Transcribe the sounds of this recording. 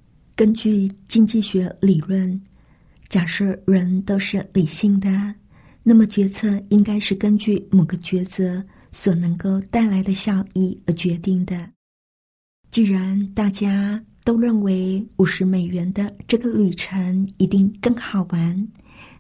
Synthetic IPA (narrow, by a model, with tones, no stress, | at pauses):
kə˥nt͡ɕy˥˧t͡ɕi˥ŋt͡ɕi˥˩ɕɥɛ˧˥li˨˩lwə˥˩n | t͡ɕja˨˩ʂ̩˥˩ɻə˧˥nt̪o˥ʊʂɻ̩˥˩li˨˩ɕi˥˩ŋd̪ə˩ | na˥˩mə˩t͡ɕɥɛ˧˥t͡sʰɤ˥˧i˥ŋka˥ɪʂɻ̩˥˩kə˥nt͡ɕy˥˩mo˨˩ʊɡə˦t͡ɕɥɛ˧˥t͡sɤ˧˥ | swɔ˨˩nɤ˧˥ŋko˥˧ʊt̪a˥˩ɪla˧˥ɪd̪ə˧ɕjɑ˥˧ʊi˥˩ə˧˥t͡ɕɥɛ˧˥t̪i˥˩ŋd̪ə˩ | t͡ɕi˥˩ɻa˧˥nt̪a˥˩t͡ɕja˥t̪o˥ʊɻə˥˩nwe˧˥ɪu˨˩ʂɻ̩˧˥me˨˩ɪɥɛ˧˥nd̪ə˧ʈ͡ʂɤ˥˩ɡə˩ly˨˩ʈ͡ʂʰə˧˥ŋi˧˥t̪i˥˧ŋkɤ˥˩ŋxɑ˨˩ʊwa˧˥n